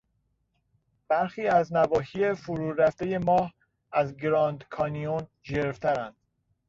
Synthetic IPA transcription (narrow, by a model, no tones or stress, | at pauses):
b̥æɾxiːæznævɒːɦiːe̞fuɾuːɾæft̪eje̞mɒːh | æzɡɾɒːnd̪kʰɒːnion | d͡ʒeɾft̪ʰæɾænd̪̥